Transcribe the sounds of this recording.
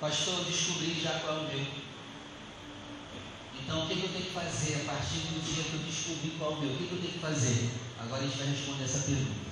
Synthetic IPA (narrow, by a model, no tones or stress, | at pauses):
paʃt̪oɾd͡ʒiʃkubɾiʒakwawʊmew | ẽt̪ɐ̃w̃ʊkekɪewt̪ẽj̃kɪ̥fazeɾapaɾt͡ʃiɾd̪ʊd͡ʒiɐkɪewd͡ʒiʃkubɾikwawʊmewʊkekɪewt̪ẽj̃kɪfazeɾa̰ɡɔɾɐẽt͡ʃɪvajɦeʃpõnd̪eɛsɐpeɾɡũt̪ɐɐ